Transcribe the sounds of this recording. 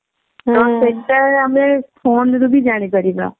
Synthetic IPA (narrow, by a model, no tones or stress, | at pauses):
t̪ɔːseɳʈəɾɦɐmepʰoːnd̪ubʱid͡ʒaːñekɐɾiːɡa̰ː